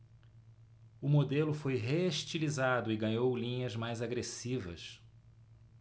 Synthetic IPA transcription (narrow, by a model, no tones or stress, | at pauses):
ʊmod̪elʊfojɦeeʃt͡ʃilizad̪ʊɪɡɐ̃ɲowlĩɲɐzmajzaɡɾesivɐ̰s